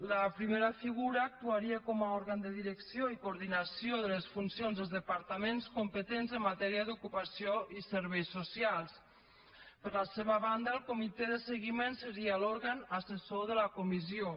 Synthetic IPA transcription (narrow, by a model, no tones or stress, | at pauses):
lapɾimeɾafiɣuɾaːk̚t̪uaɾiakɔmaɔɾɣand̪əðiɾəksioikuɾðinasjoðələsfunsjonzðəlˠzðəpaɾt̪amenskumpət̪enzəmːat̪ɛɾiaðukupasioisəɾβ̞ɛjsːusjalˠs | pəɾlaseβ̞aβand̪aːlˠkumit̪ɛðəsəɣimensəɾialoɾɣanasesoðəlakumizjo